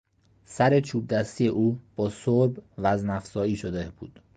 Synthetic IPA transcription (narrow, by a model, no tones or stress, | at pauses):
sæɾe̞t͡ʃʰuːb̚d̪æst̪ijeʔuːb̥ɒːsoɾbvæznæfsɒːiːʃod̪eb̥ṵːd̪̥